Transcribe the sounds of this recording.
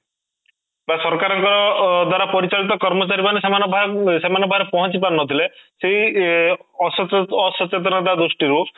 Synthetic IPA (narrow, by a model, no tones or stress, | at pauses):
basɔɾkaɾɔŋkɔɾɔd̪waɾapɔɾit͡ʃaɭit̪ɔkɔɾmɔt͡ʃaɾibanesemanɔbʱasemanɔbʱaɾepɔɦɔnt͡ʃipanːɔt̪ʰileseɦi | ɔsɔsɔt͡ʃet̪̬ɾɔnat̪ad̪usʈiɾu